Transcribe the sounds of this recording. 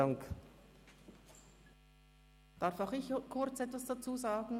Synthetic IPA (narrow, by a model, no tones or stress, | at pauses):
aŋk | d̥aɐfaʊxɪçkʰʊɐt͡sɛtv̥asd̥at͡suːzaːɡn̩